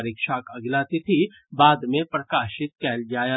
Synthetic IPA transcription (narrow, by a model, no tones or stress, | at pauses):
ɾɪkʃaːkɐɡlaːt̪it̪ʰi | baːd̪mẽpɾɐkaːʃɪt̪̚kɛːld͡ʒaːja